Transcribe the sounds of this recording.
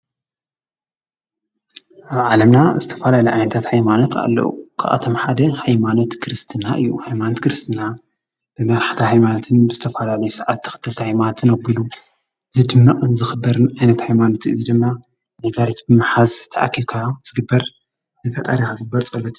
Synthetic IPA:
ʔaβʕalɐmnazɨt̪ʰɐ̥fɐlalɐʕajnɐt̪ʰat̪hajmanot̪a̰lːɐ̰ṵkʰa̰ʔa̰t̪ʰomħad̪ɐhajmano̞t̪kʰɨɾɨst̪ʰɨnaʔɨ̰jːuhajmanot̪kʰɨɾɨst̪ʰɨna | b̥ɨmɐɾaħt̪ʰahajmanot̪ʰɨnbɨzɨt̪ʰɐfɐlalɐjusɐʕat̪ːɨ̥xɨt̪ʰːɨlt̪ʰɐhajmanot̪ʰɨnɐbilu | ɨzɨd̪ɨmːɐʔʼɨnzɨxɨbːɐɾɨnʕajnɐt̪hajmanot̪ʰɨzid̪ɨmːa | naɡaɾit̪bɨmaħazt̪ʰɐʔakʰːilkʰaz̥ɨɡɨbːɐɾ | nɨfɐt̪ʼɐɾixazɨɡ̚ɨbɐlt͡sʼɐlːɐt̪ʰi̥

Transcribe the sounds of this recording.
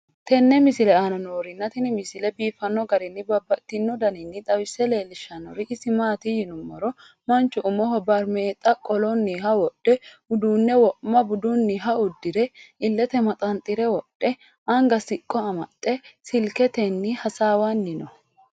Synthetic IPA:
t̪ɛnːɛmɪsɪlɛaːnɔnoːɾɪnːɐt̪ɪnɪmɪsɪlɛbiːfɐnːɔɡɐɾɪnːɪbɐbːɐt̪ːɪnːɔd̪ɐnɪnːɪt̪ʼɐwɪsːɛle̞ːlɪʃːɐnɔ̰ɾɪʔɪsɪmaːt̪ɪjɪnʊmːɐɾɔ | mɐnt͡ʃːʊʔʊmɔɦɔbɐɾmeːt̪ʼːɐkʼɔlɔnːiɦɐwɔɗ̥ːɛ | ʊd̪uːnːɛwɔʔmɐbʊd̪unːɪɦɐʊd̪ːɪɾɛɪlːɛt̪ɛmɐt̪ʼɐnt̪ʼːɪɾɛwɔɗːɛ | ɐŋɡɐsɪkʼːɔɐmɐ̰t̪ʼːɛsɪlkɛt̪ɛnːɪhɐsaːwanːɪnɔ

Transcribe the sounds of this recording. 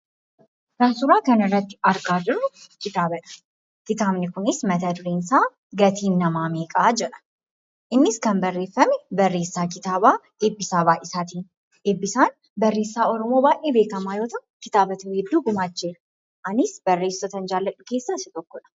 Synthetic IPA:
ɾɐnsʊɾaːkɐnɪrːɐt̪ːɪ̥ɐɾɡaːd͡ʒɪɾʊkɪt̪aːbɐᶑɐ̥ | kɪt̪aːmnɪkʊnɪsmɐt̪ɐd̪ʊɾeːnsaː | ɡɐt̪ʰiːnːɐmaːmeːkʼaːd͡ʒɛᶑɐ̥ | ʔɪnːɪskɐnbɐrːe̞ːfːɐmɛbɐrːe̞ːsːaːkɪt̪aːbaː | eːbːɪsaːbaːʔɪsaːt̪iːn | eːbːɪsaːn | bɐrːeːsːaːɔɾɔmoːbaːʔeːbe̞ːkɐmaːjo̞ːt̪ɐkɪt̪aːbɐt̪ɐhɛd̪ːuːɡʊmaːt͡ʃːeːɾ | ʔɐnɪsb̥ɐrːe̞ːsːɐt̪ɐnd͡ʒaːlːɐᶑʊke̞ːsːaːsɪt̪ʼɔkːɔᶑɐ̥

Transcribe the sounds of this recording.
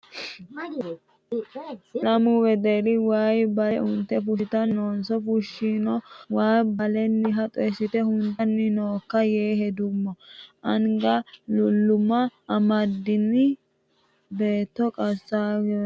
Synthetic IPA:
lɐmʊwɛd̪ɛɾɪwaːjbɐɛʔʊnt̪ːɛfʊʃɪt̪ɐnoːnsɔfʊʃːiːnɔwaːjbɐlɛnːɪɦɐt̪ʼɔjsɪt̪ɛhʊnt̪ɐnːɪnoːkːɐjeːɦɛd̪ʊmːɔʔɐŋɡɐlʊlːʊmɐʔːmɐd̪ɪnːɪ | be̞ːt̪ːɔkʼɐsːaːɡ

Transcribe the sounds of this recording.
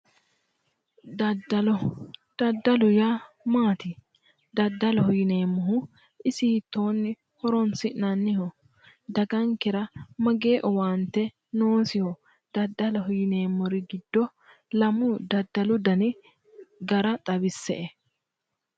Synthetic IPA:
d̪ɐdɐlɔd̪̥ɐd̪ːɐlʊja | maːt̪ɪ | d̪ɐd̪ːɐlɔhʊjɪne̞ːmːɔɦʊ | ɪsɪhɪt̪ːo̞ːnːɪ | hɔɾɔnsɪnɐnːɪhɔ | d̪ɐɡɐŋkɛɾɐmɐɡe̞ːʔɔwaːnt̪ːɛ | noːsɪhɔ | d̪̥ɐd̪ːɐlɐhʊjɪne̞ːmːɔɾɪɡɪd̪̥ːɔ | lɐmʊd̪ɐd̪ːɐlʊd̪ɐnɪ | ɡɐɾɐt̪ʼɐbɪsːɛ̰ʔɛ

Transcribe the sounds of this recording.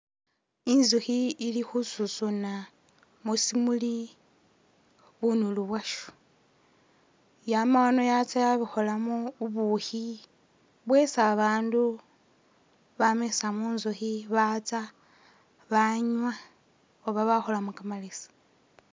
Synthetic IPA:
inzuxiːlixususuna | musimuli | βunuluβwaʃu̥ | jamaono̞jat͡sajaβixo̞lamuːβuxi | βwesaβaːndu | βamesamunzuxiβat͡sa | βaɲwa | oβaβaxo̞lamukamalesḁ

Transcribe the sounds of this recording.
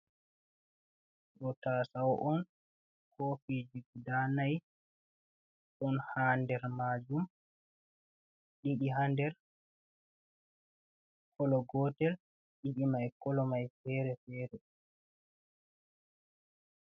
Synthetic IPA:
ɗɔtasawɔʔɔn | kofid͡ʒuɡudanaj | ʔɔnhaːndɛɾmad͡ʒum | ɗiɗiɦandɛɾ | kʰɔlɔɡɔːtɛl | ɗiɗimajkɔlɔmajfɛːɾɛfɛːɾɛ

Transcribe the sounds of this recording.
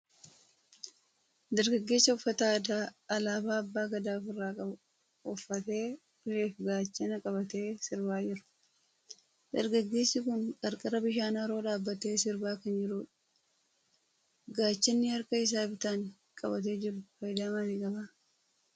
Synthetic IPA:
d̪ɐɾɡɐɡːe̞ːsːɐɔfːɐt̪ad̪aːɐlaːbaːɐbːaːɡɐd̪aːfɪrːaːkʼɐ | ɔfːɐt̪e̞ː | leːfɡaːt͡ʃːɐnɐkʼɐβɐt̪eːsɪɾbaːd͡ʒɪɾʊ̥ | d̪ɐɾɡɐɡːe̞ːsːɪkʊnkʼɐɾkʼɐɾɐbɪʃaːnaɾo̞ːᶑaːbːɐt̪e̞ːsɪɾbaːkɐnd͡ʒɪɾuᶑ | ɡaːt͡ʃːɐnːɪhɐɾkɐɪs̬aːɪbt̪aːŋ | kʼɐbɐt̪̬e̞ːd͡ʒɪɾʊfɐjd̪aːmɐnɪkʼɐba

